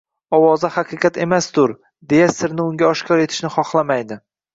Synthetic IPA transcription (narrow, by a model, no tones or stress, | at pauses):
ɒwɒzahaqʰɨqɑt̪ʰe̞masd̪ʊɾ | d̪e̞jasɪɾnɪʊŋɡʲaɒʃkʲʰɒɾe̞t̪ʰɪ̥ʃnɪχɒχlˠamajd̪ɪ